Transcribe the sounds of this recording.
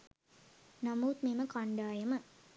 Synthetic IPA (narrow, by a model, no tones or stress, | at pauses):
namuːt̪̚meːməkaɳɖaːjəmə